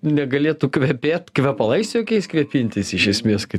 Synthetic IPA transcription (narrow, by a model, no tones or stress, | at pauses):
nʲɛɡɐlʲeːt̪ukʋʲɛpʲeːt̪kʋʲɛpɐlˠɐɪsʲt̪ʲjoːkʲɛɪskʋʲɛpʲinʲt̪ʲɪsɪʃʲɛsʲmʲeːskɐɪ